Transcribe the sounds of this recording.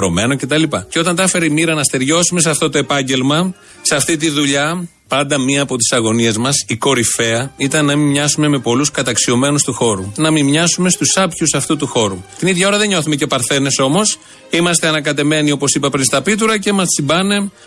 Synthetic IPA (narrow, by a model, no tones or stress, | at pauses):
ɾo̞me̞no̞ce̞t̪ɐlipɐceo̞t̪ɐnt̪ɐfe̞ɾeimiɾɐnɐst̪e̞ɾʝo̞sume̞sɐft̪o̞t̪o̞e̞pɐɲɟe̞lmɐ | sɐft̪it̪̬iðuʎɐ | pɐnd̪ɐmiɐːpo̞t̪i̥sɐɣo̞nie̞zmɐsiko̞ɾife̞ɐit̪ɐnːɐmimɲɐsume̞me̞po̞luskɐt̪ɐksio̞me̞nust̪uxo̞ɾunɐmimɲɐsume̞st̪usɐpçusɐft̪ut̪uxo̞ɾut̪iniðʝɐoɾɐðe̞ɲo̞θume̞ce̞pɐɾθe̞ne̞so̞mo̞s | imɐst̪e̞ɐnɐkɐt̪e̞me̞nio̞po̞sipɐpɾinst̪ɐpit̪̬uɾɐce̞mɐssimbɐne̞